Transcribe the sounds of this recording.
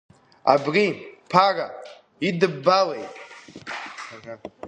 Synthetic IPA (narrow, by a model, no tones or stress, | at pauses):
a̰bripʰara | idɨbːalejtʼ | ara